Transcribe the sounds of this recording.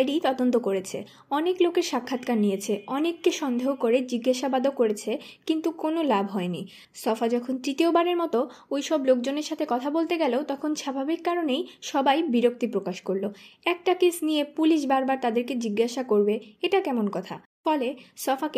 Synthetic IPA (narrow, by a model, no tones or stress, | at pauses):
ɖit̪ɔd̪ont̪̬okoɾet͡ɕʰḛ | ɔneklokeɾʃakʰːat̪kaɾnijet͡ɕʰeɔnekːeʃɔnd̪ʱeɦokoɾed͡ʑiɡːaʃabad̪ʱokoɾet͡ɕʰekint̪ukonolabʱɦɔeni | sɔfad͡ʑɔkʰont̪ɾit̪iobaɾeɾmɔt̪oojʃɔblok̚d͡ʑoneɾʃat̪ʰekɔt̪ʰabolt̪eɡɛlot̪ɔkʰonʃabʱabikːaɾonejʃɔbajbiɾok̚t̪ipɾokaʃkoɾloɛk̚ʈakesnijepuliʃ̬baɾbaɾt̪ad̪eɾked͡ʑiɡːaʃakoɾbeeʈakɛmonkɔt̪ʰa̰ | fɔlesɔfak